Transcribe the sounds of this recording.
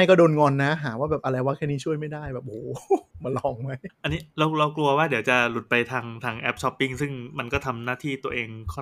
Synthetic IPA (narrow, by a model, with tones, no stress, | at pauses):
a˥˩jkɔː˥˩doː˧nŋɔː˧nːa˦˥ɦaː˩˦waː˥˩bɛː˨˩p̚ʔa˧ɾa˧jwa˦˥k̚ʰɛː˧˥niː˦˥t͡ɕʰu˥˩əjma˥˩jdaː˥˩jbɛː˨˩p̚hoː˨˩ma˧nlɔː˧˩ŋma˦˥jʔa˧nːiː˦˥ɾa˦˧wɾa˧wklu˧ɐwaː˥˩di˩˦wt͡ɕa˨˩lu˨˩t̪̚pa˧jt̪ʰaː˧ŋt̪ʰaː˧ŋʔɛ˦˥p̚t͡ɕʰɔ˦˥pːi˥˩ŋsɯ˥˩ŋma˧nkɔː˥˩t̪ʰa˧mnaː˥˩t̪ʰiː˥˩t̪u˧ɐʔeː˧ŋkʰɔː˥˩n